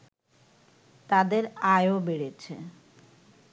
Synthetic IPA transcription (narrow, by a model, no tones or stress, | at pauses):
t̪ad̪eɾaeobeɽet͡ɕʰe